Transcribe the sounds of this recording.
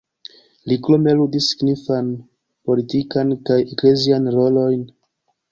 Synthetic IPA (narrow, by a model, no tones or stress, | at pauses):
liklomeludisi̥ɡnifan | po̞litikankajekle̞zianɾo̞lo̞jn